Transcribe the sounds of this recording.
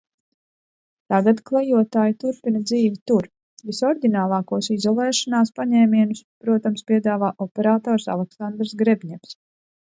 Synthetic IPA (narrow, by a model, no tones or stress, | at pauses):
t̪aɡat̪klˠɛjuɔt̪aːjit̪uɾpinɐd̪ziːvit̪uɾ | visɔɾd̪ʲinaːlˠɑːkuɔsizɔlˠɛːʃanaːspaɲɛːmiɛnuspɾuɔt̪amspiɛd̪aːvaːʔɔpɛɾaːt̪ɔːɾsa̰lˠɛksand̪ɾsɡɾebʲɲɛms